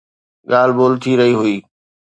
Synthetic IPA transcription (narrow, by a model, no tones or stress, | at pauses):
ɠaːl̤boːlt̪ʰiɾɐɦiɦʊiː